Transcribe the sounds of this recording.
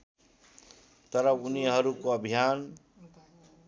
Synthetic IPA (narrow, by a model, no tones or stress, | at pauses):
t̪ʌɾʌuniɦʌɾukoʌbʱijan